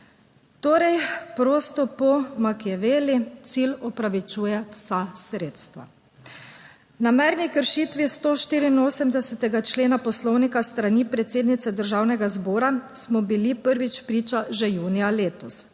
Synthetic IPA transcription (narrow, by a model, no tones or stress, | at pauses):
t̪oːɾɛjpɾoːst̪ɔpɔmakɛʋeːlit̪silɔpɾaʋit͡ʃuːjɛwsasɾeːt̪st̪ʋa̰ | namɛɾnikəɾʃiːt̪ʋist̪oːʃt̪iːɾiːnoːsɛmd̪ɛsɛt̪ɛɡat͡ʃleːnapɔslɔwnikast̪ɾanipɾɛt̪seːd̪nit̪sɛd̪əɾʒaːwnɛɡazboːɾasmɔbilipəɾʋit͡ʃpɾiːt͡ʃaʒɛjuːnijaleːt̪ɔs